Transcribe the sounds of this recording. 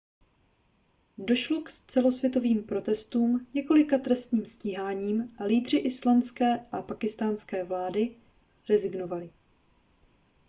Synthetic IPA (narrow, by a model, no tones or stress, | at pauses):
do̞ʃlo̞kst͡sɛlosvjɛt̪o̞viːmpɾo̞t̪ɛst̪uːmɲɛko̞lɪkat̪ɾɛst̪ɲiːmsciːɦaːɲiːmʔaliːd̪r̝ɪʔɪslanskɛːʔapakɪst̪aːnskɛːvlaːdɪ | ɾɛzɪɡno̞valɪ